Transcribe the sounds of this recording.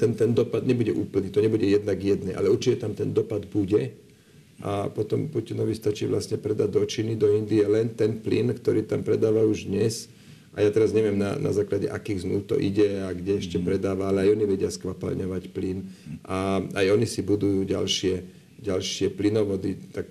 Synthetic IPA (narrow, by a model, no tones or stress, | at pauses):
t̪ɛnt̪ɛnd̪ɔpad̪ɲɛbuɟɛʔuːpl̩niːt̪ɔɲɛbuɟɛjɛd̪naɡjɛd̪nɛːʔa̰lɛuɾt͡ʃicɛt̪amt̪ɛnd̪ɔpad̪buɟɛ | ʔa̰pɔt̪ɔmpucinɔʋist̪at͡ʃiːʋlasɲɛpɾɛd̪aɟd̪ɔt͡ʃinid̪ɔind̪iɛlɛnt̪ɛnplḭnkt̪ɔɾiːt̪ampɾɛd̪aːʋauʒd̪ɲɛs | ʔa̰jaːt̪ɛɾazɲɛʋɪɛmna̰na̰zaːklaɟɛ̰ʔakiːɣznuʊt̪ɔ̰ʔiɟɛaɡɟɛɛʃcɛpɾɛd̪aːʋaalɛajɔniʋɛɟɪaskʋapa̰lɲɔʋacplinʔaajɔnisibud̪ujuːɟa̰lʃɪɛ | ɟalʃɪɛplinɔʋɔd̪it̪ak̚